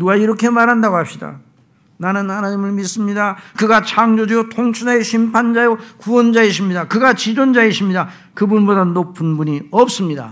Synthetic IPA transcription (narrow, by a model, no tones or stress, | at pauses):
nuaiɾʌkʰe̞maɾɦandaɡohap̚ɕ͈ida̰ | nanɯnhanaɲimɯɭmis͈ɯmɲidakɯɡat͡ɕʰaŋd͡ʑod͡ʑiotʰoŋt͡ɕʰudaeɕʰimpʰand͡ʑajokuwʌnd͡ʑaeɕ̬ʰimɲidakɯɡat͡ɕid͡ʑond͡ʑaeɕʰimɲida | kɯbunbodanopʰɯnbuɲiʌp̚s͈ɯmɲida̰